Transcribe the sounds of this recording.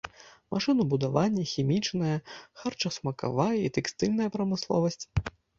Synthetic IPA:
mʔaʂɨnubud̪avanʲːɐxʲimʲit͡ʂnɐjɐxart͡ʂɐsmɐka̰vajɐit̪ɛkst̪ɨlʲnɐjɐpɾɐmɨslˠɔ̰vɐsʲt͡sʲ

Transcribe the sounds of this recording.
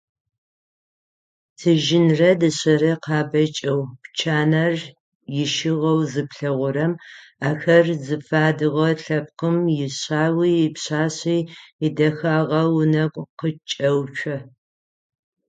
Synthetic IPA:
tʰɨʒɪnrɐdɨɕɐɾɐqɑːbɐt͡ʃʼɐwpt͡ʃʰaːnɐr | jɪʃɪʁɐwzɨpɬɐʁʷʊɾɐmaːxɐrzɨfaːdɨʁɐɬɐp̚qəmjɪɕaːwiːɪpɕaːɕiːɪdɐxaːʁɐwnɐɡʷʼqət͡ʃʼɐwt͡ʃʷʰɐ

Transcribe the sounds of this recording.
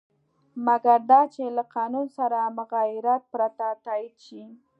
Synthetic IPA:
maɡaɾd̪ɑt͡ʃelaqɑnunsaɾamʊɣɑjɪɾat̪̚pɾat̪at̪ɑjid̪ʃi

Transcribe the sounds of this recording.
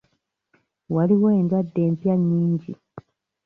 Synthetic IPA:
waliwe̞ːndwadːe̞ːmpjaɲːiːɲɟi

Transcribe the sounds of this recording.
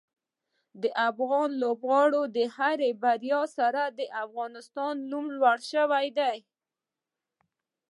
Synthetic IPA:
d̪əʔafɣɑnlobɣɑɽod̪əhaɾebaɾjɑsaɾad̪əʔafɣɑnɪst̪ɑnːumlwaɽʃəwajd̪aj

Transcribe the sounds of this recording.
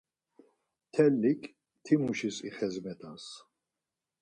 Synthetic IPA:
t̪ʰɛlːikʰʼ | t̪ʰimuʃisḭχɛzmɛt̪ʰʼas

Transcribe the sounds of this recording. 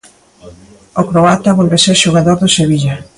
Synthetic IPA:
okɾoat̪aβolβeseɾʃoɣ̞aðoɾðoseβiʎa

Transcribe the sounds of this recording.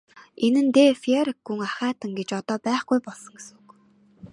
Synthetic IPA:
enɘ̆nt̪eːfieɾikːuŋaχæːt̪ə̆ŋɡet͡ɕɔt̪ɔːpæːχɡujpɔɮsɞ̆ŋɡesuk

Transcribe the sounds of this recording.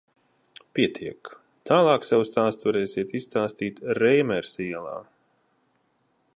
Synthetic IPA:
piɛt̪ʰiɛk | t̪aːlˠɑːksɛwst̪aːst̪vaɾɛːsʲiɛt̪ist̪aːst̪iːt̪ɾɛjmɛɾsiɛlˠa̰ː

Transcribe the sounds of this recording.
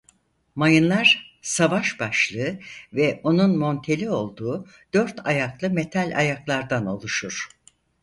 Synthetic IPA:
majɯnlˠaɾsavaʃbaʃlˠɯvɛʔo̞nunmo̞nt̪ʰe̞lʲio̞lˠd̪uː | d̪̥øɾt̪ʰajaklˠɯmet̪ʰalʲa̰jaklˠaɾd̪ano̞lˠuʃuɾ̥

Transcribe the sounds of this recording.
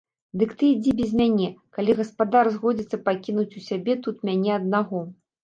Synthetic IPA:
d̪ɨkt̪ɨid͡zʲibʲɛzʲmʲanʲɛkalʲiɣɐspad̪arzɣɔd͡zʲit̪sːɐpakʲinut͡sʲusʲabʲɛt̪ut̪mʲanʲɛɐd̪̚naɣɔ

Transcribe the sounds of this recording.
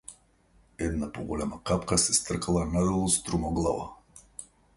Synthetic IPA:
ɛd̪napɔɡɔlɛmakapkasɛst̪r̩kalˠanad̪ɛlˠɔst̪ɾumɔɡlˠava̰

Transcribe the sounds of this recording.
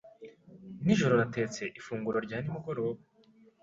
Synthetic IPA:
niʒo̞ɾo̞ɾate̞ːt͡se̞ʔifuːŋɡuɾo̞ɾɟaːnimuɡoɾo

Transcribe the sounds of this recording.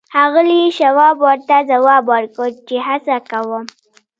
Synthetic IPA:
hɑɣəliʃawɑbwəɾt̪azawɑbwəɾkət͡ʃehasakawəm

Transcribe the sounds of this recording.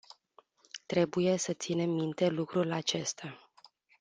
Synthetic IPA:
t̪ɾe̞buje̞sət̪sine̞mːint̪e̞lukɾulat͡ʃe̞st̪a

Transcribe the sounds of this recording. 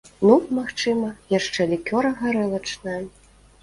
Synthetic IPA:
numaxt͡ʂɨmɐjaʂt͡ʂɛlʲikʲɔɾɐɣaɾɛlˠɐt͡ʂnajɐ

